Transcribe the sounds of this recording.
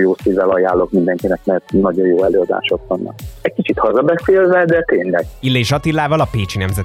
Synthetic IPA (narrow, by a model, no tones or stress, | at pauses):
joːsivɛlɒjaːlːokmind̪ɛŋkinɛkmɛrt̪nɒɟojoːɛløːɒd̪a̰ːʃo̞kʋɒnːɒ̰kɛckit͡ʃit̪hɒzɒbɛseːlvɛd̪ɛt̪eːɲlɛɡilːeːʒɒt̪ilːaːvɒlɒpeːt͡ʃinɛmzɛ